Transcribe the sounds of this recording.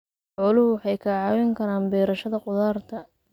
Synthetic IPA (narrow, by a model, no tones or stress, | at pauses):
ʊlʊhʊwɑħɑjkʰɐʕɑːwɪŋkʰɐɾaːnbɛːɾɐʃɐðɐqʊðaːrt̪ʰɐ